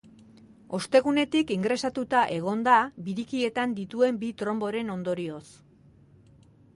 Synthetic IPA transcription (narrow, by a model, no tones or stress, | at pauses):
o̞st̪e̞ɣune̞t̪ikiŋɡɾe̞sat̪ut̪aʔe̞ɣ̞o̞nd̪abiɾikie̞t̪and̪it̪ue̞mbit̪ɾo̞mbo̞ɾe̞no̞nd̪o̞ɾio̞s